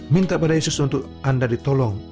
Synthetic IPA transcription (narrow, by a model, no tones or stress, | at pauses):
mint̪apadajesʊsunt̪ʊk | andadit̪ɔlɔŋ